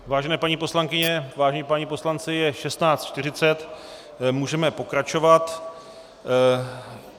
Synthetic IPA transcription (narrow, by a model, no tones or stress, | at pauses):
vaːʒɛnɛːpaɲipo̞slaŋkɪɲɛvaːʒɛɲipaɲipo̞slant͡sɪjɛʃɛst̪naːt͡st̪t͡ʃt̪ɪr̝ɪt͡sɛt̪ | muːʒɛmɛpo̞kɾat͡ʃo̞vat̪